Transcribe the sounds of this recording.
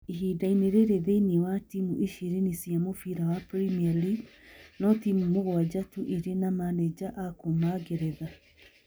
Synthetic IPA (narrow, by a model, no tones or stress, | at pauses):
eɦidaineɾeɾeðeniwatimuʔeʃeɾenisjamofiɾawapɾimialiɡnɔtimumoɣwad͡ʑatuʔeɾenamanɛd͡ʑaʔakomaɡeɾɛða